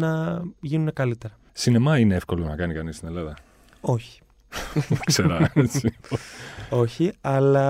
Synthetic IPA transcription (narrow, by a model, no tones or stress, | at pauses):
nɐʝinune̞kɐlit̪e̞ɾɐ | sine̞mɐine̞efko̞lo̞nɐkɐnikɐnist̪ine̞lɐðɐ | o̞çi̥ | kseɾɐsipoo̞çiɐlɐ